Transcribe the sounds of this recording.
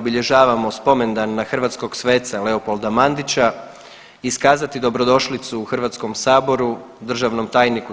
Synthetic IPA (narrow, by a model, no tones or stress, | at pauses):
biʎe̞ʒaːʋamo̞spo̞me̞nd̪anːaxrʋat̪sko̞ɡsʋe̞ːt̪sale̞opo̞lˠd̪amand̪it͡ɕa | iskaːzat̪id̪o̞bɾo̞d̪o̞ʃlit̪suːxrʋat̪skomsaːbo̞ɾu | d̪r̩ʒaʋno̞mt̪aːjniku